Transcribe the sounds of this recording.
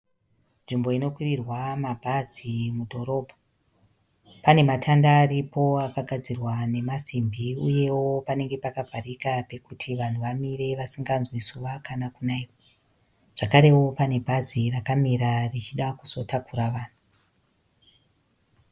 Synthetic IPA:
nʐimbo̞ino̞kwirirwamabʱazimudʱo̞ɾo̞ːbʱo | pane̞matʰandaːripʰo̞akaɡʱad͡zirwane̞masimbiuje̞wo̞pane̞ŋɡe̞pakavʱarikape̞kutʰiʋan̤uʋamire̞ʋasiŋɡanzwisuʋakanakunaiwo | ʐ̥akaɾe̞wo̞pane̞bʱazirakamiɾarit͡ʃiɗakuso̞tʰakuɾaʋaːn̤u

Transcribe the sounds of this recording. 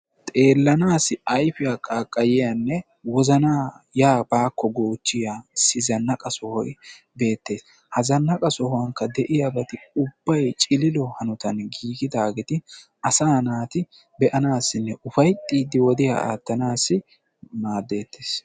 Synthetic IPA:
t̪ʼe̞ːlːɐnaːsɪɐjfɪjaːkʼaːkʼːɐjɪjɐnːɛ | wɔzɐnaːjaːbaːkːɔɡoːt͡ʃːɪjaːsɪzɐnːɐkʼɐsɔhɔj | be̞ːt̪ːe̞ːs | hɐzɐnːɐkʼɐsɔhɔwɐŋkːɐd̪ɛʔɪjabɐt̪ɪʊb̥ːɐjt͡ʃʼɪlɪlɔhɐnʊt̪ɐnɡiːɡɪd̪aːɡɛt̪ɪʔɐsaːnaːt̪ɪ | bɛʔɐnaːsːɪnːɛʔʊfɐjt̪ʼːiːd̪ɪwɔd̪ɪja̰a̰ːt̪ːɐnaːsɪ | maːd̪ːe̞ːt̪ʰːeːs

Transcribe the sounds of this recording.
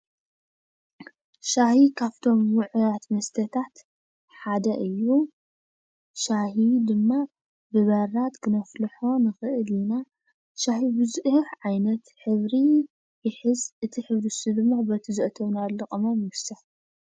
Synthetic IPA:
ʃahikʰaβt̪ʰo̞mwʊʕujat̪mɐst̪ʰɐt̪ʰat̪ | ħad̪ɐʔɨjːu | ʃahid̪ɨmːa | bɨβɐɾat̪kʰɨnɐflɨħo̞nɨxɨʔɨlina | ʃahibɨzuʔħʕajnɐt̪ħɨβɾi | jɪħɨzɨt̪ʰiħɨβɾisud̪ɨmːabɐt̪ʰizɨʔt̪ʰɐβnalɨkʼɐmomɨsɐħ

